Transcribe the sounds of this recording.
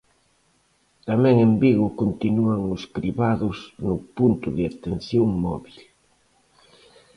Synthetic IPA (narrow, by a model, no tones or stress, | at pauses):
t̪amɛ̃ŋembiɣʊkont̪inuaŋʊspɾiβaðʊsnʊpunt̪ʊðɪat̪en̟θjoŋmɔ̰βil